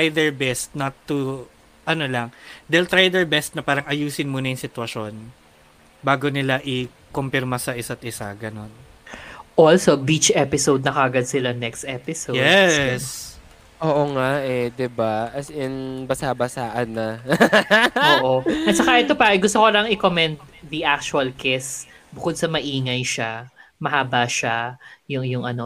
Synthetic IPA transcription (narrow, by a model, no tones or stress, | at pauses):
ajd̪ɛɹbɛst̪̚nɐt̪ːu | ʔɐnolɐŋd̪ɛlt̪ɾajd̪ɛɹbɛst̪̚nɐpaːɾɐŋɐjuːsɪnmuːnɐjɪŋsɪt̪wɐʃo̞n | baːɡonɪlaʔɪ | kompɪɾmɐsɐʔɪsat̪ʔɪsa̰ɡɐno̞n | ʔolsobit͡ʃʔɛpɪsowd̪̚nɐkɐɐɡɐd̪sɪlɐnɛkst̪ɛpɪsojɛs | ʔoːʔoŋaʔɛd̪ɪbaʔɐsɪnbɐsabɐsaːʔɐnːɐ | oːʔoɐt̪sɐkaʔɛt̪ːopɐʔɡʊst̪okolɐŋɪkomɛnt̪̚ðiʔak̚t͡ʃuɐlkɛs | bʊkod̪̚sɐmɐʔiːŋɐjʃamɐhaːbaʃajʊŋjʊŋʔɐno